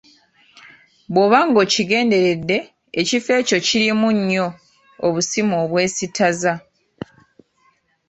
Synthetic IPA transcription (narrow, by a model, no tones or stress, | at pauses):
βwo̞βaŋɡo̞ːciɡe̞ːnde̞ɾe̞dːe̞ː | cife̞ːco̞ciɾimuɲːo̞ː | βusimoːβwe̞ːsitʰaza